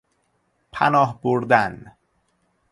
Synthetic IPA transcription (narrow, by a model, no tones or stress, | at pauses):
pʰæ̰nɒːɦboɾd̪æn